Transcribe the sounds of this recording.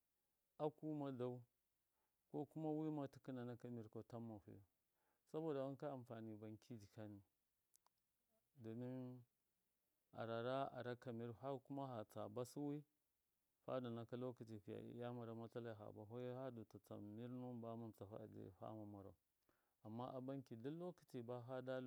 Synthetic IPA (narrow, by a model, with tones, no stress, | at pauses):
a˦ku˦ma˦da˦u˦ | ko˦ku˦ma˦wi˦ma˦ti̥˦ki˦na˨na˦ka˦mi˨ɾko˦ta˦mːa˨fṵ˦ju˨ | sa˦bo˨da˨wa˦ŋka˦a˨mfa˨ni˨ba˨ŋkʰi˦di˨ka˦ni˨ | do˨mi˦n | a̰˨ɾa˨ɾa˦a̰˨ɾa˦ka˨mi˦ɾha˦ku˦ma˦ɦa˨t͡sa˨ba˦si˦wi˦ | ɸa̰˦da˨na˨ka˦lo˦ki˨ti˨ɸi˨ja̰˨ḭ˦ja˦ma˨ɾa˨˦ma˦t͡sa˦la˨ɦa̰˨ba˨ɦo˦ja˦ha˦do˨ta˨t͡sa̰˨mi˦ɾnu˦ba˦ma˦m˨t͡sa˨fa̰˦˨dḭ˨ɸa̰˦ma˨ma˨ɾa̰˨ | a˨mːa˦ʔa˨ba˦ŋki˨da˦lo˦ki˨ti˨ba˦ɦa˦da˦l